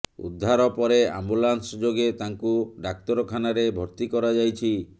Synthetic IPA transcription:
ṵd̪ʱːaɾɔpɔɾea̰mbulansɔd͡ʒoɡet̪aŋkuɖak̚t̪ɔɾɔkʰanaɾebʱɔɾt̪ikɔɾad͡ʒajt͡ʃʰi

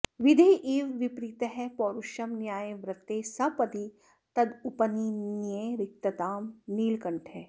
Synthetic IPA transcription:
ʋid̪ʱeʔiːʋʋipɾiːt̪ɦɛpɔːɾuʃɐmnjaːjeʋɾɐt̪ːeːsɐpɐd̪i | t̪ɐd̪upɐniːnjeɾɪk̚t̪ɐt̪aːmniːlkɐɳʈʰɛː

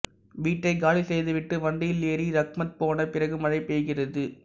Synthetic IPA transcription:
ʋiːʈːɐɪkaːɭisɛjðɯʋɪʈːɯʋɐɳɖɪjɪlneːɾiɾɐkmɐt̪̚poːnɐpɪrɐɣɯmɐɻɐɪpːeːɣɪrɐðɯ

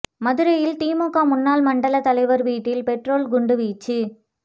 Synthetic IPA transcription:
mɐðɯɾɐjɪlt̪iːmoːkːaːmʊnːaːlmɐɳɖɐlɐt̪ɐlɐɪʋɐɾʋiːʈːɪlpɛʈroːlɡʊɳɖɯʋiːt͡ʃːɯ

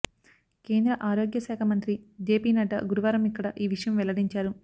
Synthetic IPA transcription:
ke̞ːnd̪ɾɐʔaːɾo̞ːɡjɐʃɛːkʰɐmɐnt̪ɾid͡ʒeːpiːnɐɖɐ̰ɡuɾiʋaːɾɐmikːɐɽɐʔiːʋiʂɐjɐmʋɛlɐɽiɲt͡ʃaːɾu

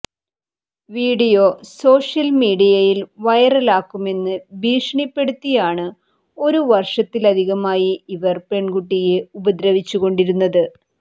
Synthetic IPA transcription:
ʋiːɽijo̞so̞ːʂjɐlmiːɽijɐjilʋɐjɐrɐlaːkːume̞nːɨbʱiːʂɐɳipːe̞ɽut̪ːijaːɳɨ | o̞ɾuʋɐrʂɐt̪ːilɐd̪ʱiɣɐmaːjiiʋɐrpe̞ɳɡuʈːijeubɐd̪ɾɐʋit͡ɕːuɣo̞ɳɖiɾunːɐðɨ

